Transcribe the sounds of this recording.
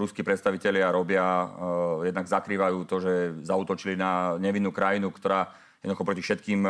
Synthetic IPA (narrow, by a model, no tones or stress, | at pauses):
ɾuskiːpɾɛt̪st̪aʋicɛlɪaɾɔbɪa | jɛd̪naɡzakɾiːʋajuːt̪ɔʒɛzauːt̪ɔt͡ʃilinaɲɛʋinːuːkɾajinukt̪ɔɾaː | jɛd̪nd̪uxɔpɾɔcifʃɛt̪̚kiːm